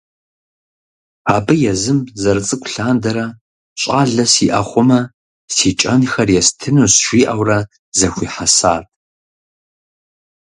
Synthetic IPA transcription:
aːbɨjɛzɨmzɐrɨt͡sʼɨkʷʊɬaːndɐɾɐ | ɕʼaːɮɐsiʔɐχʷʊmɐ | siːt͡ʃʼɐnxɐrjɛstʰɨnusʃʷiːʔɐwrɐ | zɐxʷiːħasaːtʼ

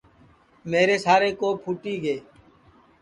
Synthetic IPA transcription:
meːɾeːsaːɾeːkoːpʰuːʈiːɡeː

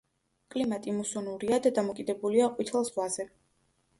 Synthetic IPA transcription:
kʼlimat̪ʼimusɔnuɾiad̪ad̪amɔkʼid̪ɛbuliaqʼwit̪ʰɛlˠsvvazɛ

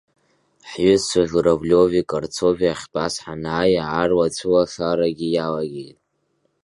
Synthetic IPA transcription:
ħɥʏzsaʒʷuɾavlʲovikʼart͡sʰoviaχʲbʼasħanaːjaʕarwat͡ɕʷʰɨwaɬaɾaɡʲijalaɡʲejtʼ

